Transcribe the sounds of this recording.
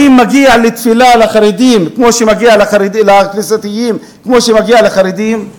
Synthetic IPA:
imːaɡialet̪filalaχaɾed̪imkmoʃemaɡialaχaɾd̪ilaknisat̪ijim | kmo̞ʃemaɡialaχaɾed̪im

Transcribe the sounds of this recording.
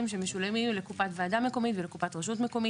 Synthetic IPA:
imʃemeʃulemilekupat̪vaːdameko̞mit̪velekupat̪ʁeʃ̬ut̪meko̞mi

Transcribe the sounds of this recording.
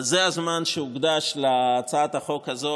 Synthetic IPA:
zeazmanʃeuɡd̪aʃleːt͡saat̪aχo̞khazo

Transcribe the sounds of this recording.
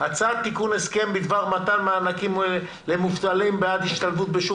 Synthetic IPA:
hat͡sad̪̚t̪ikuneske̞mbid̪vaʁmat̪anmeaːnakim | lemuft̪alimbead̪hiʃt̪alvut̪̚beʃu

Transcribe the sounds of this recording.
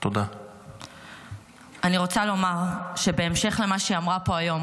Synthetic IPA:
t̪od̪a | aniʁo̞t͡salo̞maʁʃe̞be̞ːmʃe̞χle̞maʃiamʁapo̞ajo̞m

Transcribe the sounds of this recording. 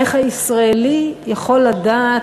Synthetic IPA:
eχhaisʁaelijaχo̞lːada

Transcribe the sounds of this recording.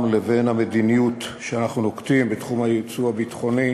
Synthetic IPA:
mlevenhamed̪inijutʃeanaχnunoktimbetχumajit͡suabit̪χo̞ni

